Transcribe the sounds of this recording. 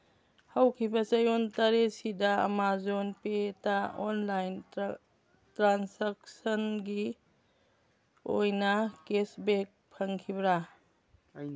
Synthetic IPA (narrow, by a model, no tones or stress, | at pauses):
hawkʰibɐsɐjontɐɾesidɐɐ̰mazonpetaɔnlajn | tɾansak̚sɐnɡi | ojnɐkesbek̚pʰɐŋkʰibɾa